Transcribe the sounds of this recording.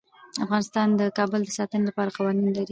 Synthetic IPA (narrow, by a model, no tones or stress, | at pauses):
afɣɑnɪst̪ɑnd̪əkɑbəld̪əsɑt̪ənelapɑɾaqɑwɑninlaɾi